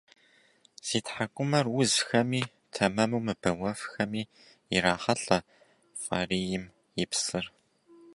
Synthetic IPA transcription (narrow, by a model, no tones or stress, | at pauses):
z̥iːtħakʷʼʊmɐrwʊzxɐmiː | tʰɐmɐmɨwmɨbɐwɐfxɐmiː | iraːχɐɬʼɐ | fʼariːjɪm | jɪpsɨr